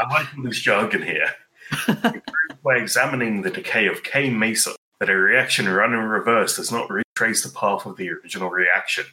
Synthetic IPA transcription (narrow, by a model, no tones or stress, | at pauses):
aɪlaɪkə̃nðɪsɑɡɨ̃nhḭɹ | ɨ̃pʰɹ̥ʉbaɪɨɡzæmənɪ̃ŋðɨdɨkʰeɪʌv̥kʰeɪmeɪsə̰ | ðɨɾɨɹiækʃɨ̃nɹʌ̃nə̃nɹɪvɜˑ˞sd̥əznəʔɹitʰɹ̥eɪsðəpʰɑˑθəvðiə˞ɪd͡ʒɨnl̩ˠɹiækʃɨ̃n